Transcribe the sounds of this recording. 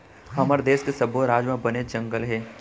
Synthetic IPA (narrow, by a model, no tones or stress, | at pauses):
haməɾd̪eːskesəbʱoɾaːd͡ʒmãbəned͡ʒɐ̃ŋɡəlɦɛː